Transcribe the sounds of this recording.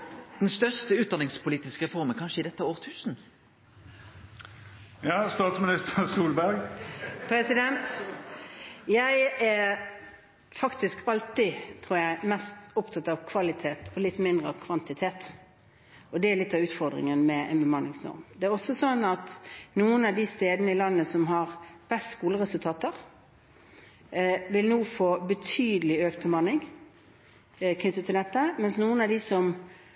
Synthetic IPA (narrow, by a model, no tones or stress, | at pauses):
d̪̥ɛnst̪œʁst̪əʉːt̪d̪ɑnɪŋspʰʊliːt̪ɪskəʁɛfɔʁmənkʰɑnʂəɪd̪ɛt̪ːəæoːʁt̪ʰʉːsn̩ | jɑːst̪ɑːt̪smɪnɪst̪əsuːlbæɾɡpʰɾɛsɪd̪ɛnt̪ | jæɪæ | fɑkt̪ɪskɑlt̪ɪt̪ʰɾuːɾəjæɪmɛst̪ɔpt̪ʰɑt̪ɑʋkʰʋɑlɪt̪ʰeːt̪ʰɔlɪt̪ːmɪnd̪ɾʁəɑʋkʰʋɑnt̪ɪt̪ʰeːt̪ | ɔd̪ɛælɪt̪ːɑʋʉːt̪fɔʁd̪ʁɪ̰ŋənmɛɛ̰nbəmɑnːɪŋsnɔ̰ɾmd̪ɛæɾɔsɔsɔnːɑt̪nuːənɑʋd̪ɪst̪eːd̪nəɪlɑnːəsɔmɦɑʁb̥ɛst̪skuːləʁɛsʉlt̪ʰɑːt̪əʁ | ʋɪlnoːfoːbət̪ʰyːd̪əlɪøːk̚t̪̚bəmɑnːɪŋ | kʰnʏt̪ːət̪ʰːɪlɛt̪ːəmɛnsnuːənɑʋd̪ɪsɔm